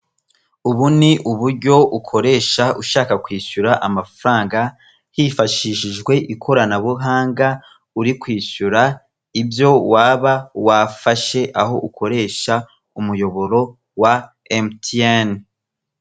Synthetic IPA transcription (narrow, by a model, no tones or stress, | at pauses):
uβuniʔuβuɾɟo̞ukʰo̞ɾe̞ːʃaʔuʃaːkakwiːʃuɾaʔamafɾaːŋɡa | hifaʃiʃiʒɡwe̞ʔikʰo̞ɾanaβuɦaːŋɡa | uɾikwiːʃuɾa | ibjo̞waːβawafaʃe̞ʔaho̞ʔukʰo̞ɾe̞ːʃa | umujo̞βo̞ɾo̞ | wa | emten